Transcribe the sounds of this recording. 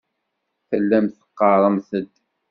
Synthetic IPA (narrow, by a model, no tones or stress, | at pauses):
θəlːæmθə̥qːɑɾˤəmθəd̪